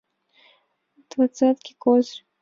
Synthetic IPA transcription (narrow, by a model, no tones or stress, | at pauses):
d̪̥vat̪sat̪kʲikɔzr